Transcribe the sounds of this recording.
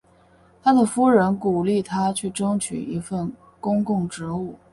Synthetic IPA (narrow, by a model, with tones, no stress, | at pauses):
t̪ʰa˥d̪ə˨fu˥ɻə˧˥nku˨˩li˥˩t̪ʰa˥t͡ɕʰy˥˩ʈ͡ʂɤ˥ŋt͡ɕʰy̰˨˩i˧˥fə˥˩n | kʊ˥ŋkʊ˥˩ŋʈ͡ʂɻ̩˧˥u˥˩